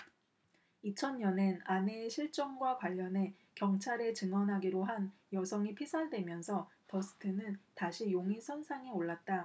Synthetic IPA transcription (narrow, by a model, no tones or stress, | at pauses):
it͡ɕʰʌnɲʌnenane̞ːɕʰiɭt͡ɕ͈ʌŋɡwakwaʎːʌne̞ | kjʌŋt͡ɕʰaɾe̞t͡ɕɯŋwʌnɦaɡiɾoɦan | jʌsʰʌŋipʰisʰaɭdwe̞mjʌnsʰʌtʌsʰɯ̥tʰɯnɯntaɕʰijoŋisʰʌnsʰaŋioɭːat̚t͈a